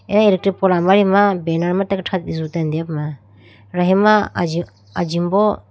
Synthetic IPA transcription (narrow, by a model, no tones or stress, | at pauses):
ɛnailek̚tɾipɔlamaɾimabenaɾmatakʈʰat̪̚izutand̪ijapma | ɾaɦima | ad͡ʒimbɔ